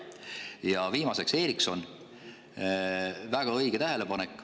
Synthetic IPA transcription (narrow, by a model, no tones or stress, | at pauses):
jɑviːmɑse̞kse̞ːɾikso̞n | væɡ̥ɑɤjɡ̥et̪æɦe̞le̞pɑnekːˑ